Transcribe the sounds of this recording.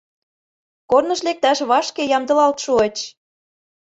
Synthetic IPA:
kornɤ̆ʃlek̚t̪æʃβɑʃkejɑmd̪ɤ̆lɑlt̪ʃuət͡ɕ

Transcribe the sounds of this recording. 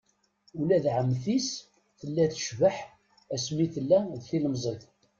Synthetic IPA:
ulæðʕəmːθis | θəlːæθə̥ʃvəħ | æsmiθəlːæðθiləmzˤeθ

